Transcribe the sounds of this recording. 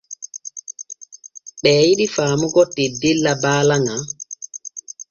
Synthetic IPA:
ɓɛːjiɗifaːmuɡɔtːidilːabaːlaŋa

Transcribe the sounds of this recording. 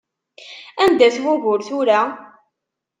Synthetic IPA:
ænd̪æθɣʊɣʊɾθʊɾa

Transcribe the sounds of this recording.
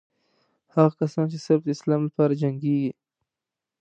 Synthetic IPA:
haɣakasɑnt͡ʃesabd̪ɪslɑːmlapɑːɾad͡ʒaŋɡeɡi

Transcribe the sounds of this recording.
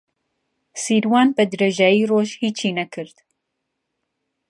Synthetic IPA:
siːɾwɑːnbɐd̪ɨɾeʒaːjiːroːʒhiːt͡ʃʰiːnɐkʰɨɾd̪̥

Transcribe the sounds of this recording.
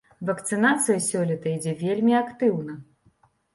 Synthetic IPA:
vɐkt̪sɨnat̪sɨjɐsʲɔlʲɛt̪ɐid͡zʲɛvʲelʲmʲiakt̪ɨwnɐ

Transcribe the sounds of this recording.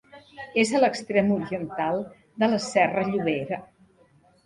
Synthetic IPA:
ezələkst̪ɾemuɾiənt̪alˠ | d̪ələsɛrəʎuβ̞eɾə

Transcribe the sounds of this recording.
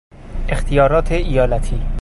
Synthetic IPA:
ext̪ʰijɒːɾɒːt̪ʰeʔijɒːlæt̪ʰiː

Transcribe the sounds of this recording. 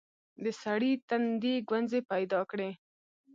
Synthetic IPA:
d̪əsaɽit̪and̪eɡwanzepajd̪ɑkɽe

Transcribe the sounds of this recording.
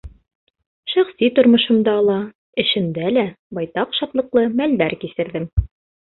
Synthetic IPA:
ʃæχsit̪ŏɾmŏʃɤ̆md̪ɑːlˠɑ | ɘ̆ʃɘ̆nd̪ælæ | bɑjt̪ɑqʃɑt̪lˠɤ̆qlˠɤmæld̪æɾkisɘ̆ɾðɘm

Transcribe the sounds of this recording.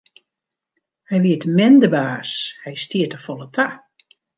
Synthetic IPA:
hɛjʋiətmɛndəbaːshɛjstiətəfɔlˠətʰa

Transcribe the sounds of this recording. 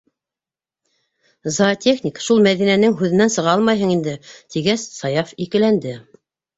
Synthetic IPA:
zat̪ʰʲexnʲikʃulˠmæðinænɘŋɦʉðɘ̆nænsɤ̆ʁɑɑlˠmɑjɦɤɴind̪ɘt̪ʰiɡæssɑjɑfikɘ̆lænd̪ɘ

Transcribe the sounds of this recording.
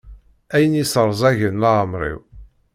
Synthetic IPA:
æjənisəɾˤzˤæʝənlaəmɾˤḭw

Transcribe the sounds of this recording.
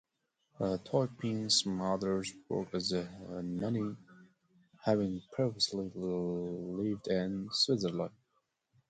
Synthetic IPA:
ətʰɔɪpʰĩŋzmʌðə˞zbɔ̰˞kɨzmɛni | hævɪ̃ŋpʰɹ̥ɛvəsli | lɪvdɪ̃nswɪzə˞lãɪ

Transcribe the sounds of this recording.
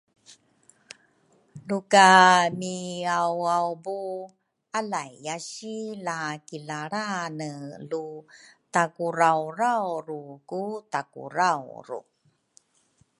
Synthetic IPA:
lukamiawawbu | alajːaɕilakilaɾanəlutakuɾawrawɾukutakṵɾawɾṵ

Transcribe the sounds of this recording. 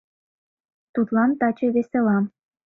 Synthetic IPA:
t̪ut̪lɑnt̪ɑt͡ɕĕβeselɑm

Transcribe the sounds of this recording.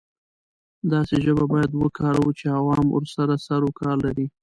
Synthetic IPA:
d̪ɑseʒəbabɑjad̪wəkʰɑɾawut͡ʃeawɑmə̰ɾsaɾasaɾokɑɾlaɾi

